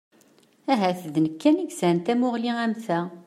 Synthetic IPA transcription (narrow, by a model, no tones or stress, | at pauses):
æɦæθðnəkːæniɡsænt̪æmʊʁliæmθæ